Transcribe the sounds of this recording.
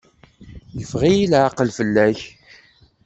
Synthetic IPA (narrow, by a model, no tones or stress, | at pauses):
jəfʁijilʕaqəlfəlːæç